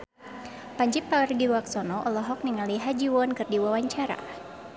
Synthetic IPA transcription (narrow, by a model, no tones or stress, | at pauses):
paɲd͡ʒipːardiɾuaksɔnɔʔɔlɔɦɔk̚niŋaliɦad͡ʒiwɔnkɨrdiwawaɲt͡ʃaɾa̰